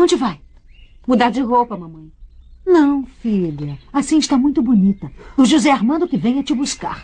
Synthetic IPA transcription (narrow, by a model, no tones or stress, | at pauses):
ɐ̃w̃d͡ʒɪvaj | mud̪aɾd͡ʒɪɦowpɐmɐ̃mɐ̃j̃nɐ̃w̃fiʎɐasĩɪʃt̪amũj̃t̪ʊbunit̪ɐʊʒuzɛaɾmɐ̃nd̪ʊkɪvẽj̃ɐt͡ʃɪbuska̰ɾ